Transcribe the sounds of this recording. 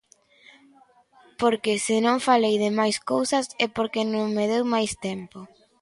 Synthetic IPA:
poɾkesɪnõŋfalejðɪmajskowsɐsɛpoɾkenõŋmeðewmajst̪ɛmpo

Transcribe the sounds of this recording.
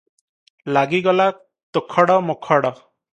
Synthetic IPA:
laɡiɡɔla | t̪okʰɔɽɔmokʰɔɽɔ

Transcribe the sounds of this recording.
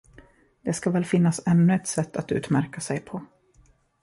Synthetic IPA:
d̪̥ɛskavɛːlfɪnːasɛnːɵɛt̪sɛt̪ːat̪ʉ̟ːt̪mæɾkasɛjpʰɔ

